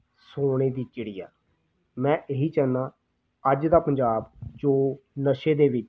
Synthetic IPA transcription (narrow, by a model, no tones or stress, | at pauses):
soːɽ̃eːd̪iːt͡ʃɪɽɪja̰ː | mɛ̃ːʔeɦiːt͡ʃəːnaː | əd͡ʒd̪aːpəɲd͡ʒaːbd͡ʒoːnəʃeːd̪eːʋɪt͡ʃ